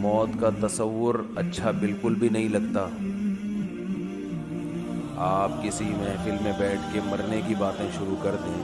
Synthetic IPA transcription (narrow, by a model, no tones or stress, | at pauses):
mɔːt̪kat̪ɐsəʋːʊɾɐtːʃʰabɪlkʊlbʱinɐɦĩlɐɡ̚t̪aː | aːp̚kɪsimẽfɪlmẽbɛːʈʰkemɐɾnekibaːt̪ẽʃʊɾukɐɾd̪ĩ